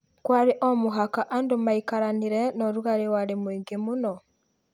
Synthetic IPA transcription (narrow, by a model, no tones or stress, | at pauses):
kwaɾeʔɔmuɦakaʔandomaikaɾaniɾɛnɔɾuɣaɾewaɾemwiːŋɡemunɔ